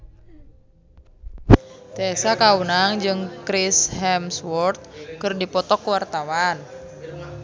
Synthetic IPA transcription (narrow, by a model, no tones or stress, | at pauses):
t̪eɛsakaunaŋd͡ʒɨŋkɾishɛmswɔrt̪̚kɨrdipɔt̪ɔkwart̪awan